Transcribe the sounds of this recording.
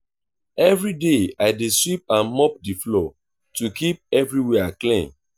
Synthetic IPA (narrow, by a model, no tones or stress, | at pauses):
ɛvɹideaɪdeswip̚ãnmɔp̚diflɔ | tukip̚ɛvɹiwɛaklẽn